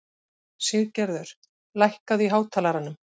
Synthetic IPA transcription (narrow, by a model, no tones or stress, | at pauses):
sɪðcɛɾðʏɾ̥ | lajhkaðiɦaːwt̪ʰaːlaɾanːʏm